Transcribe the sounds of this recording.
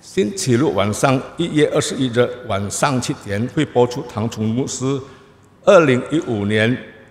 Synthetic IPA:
ɕint͡ɕʰiluwanʂɑŋijɛʔə˞ʂɻ̩iʈ͡ʂəwansɑŋt͡ɕʰit̪jɛnxweɪpwɔʈ͡ʂʰut̪ʰɑŋt͡sʰʊŋmusɹ̩ | əliŋiʔunjɛn

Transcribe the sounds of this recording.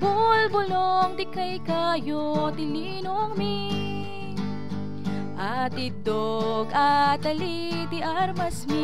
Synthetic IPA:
bʊlbʊloŋt̪ɪkɐjkajot̪ɪli | noŋmi | ʔɐt̪ɪd̪oɡɐt̪ɐli | t̪ɪʔɐɾmɐsmi

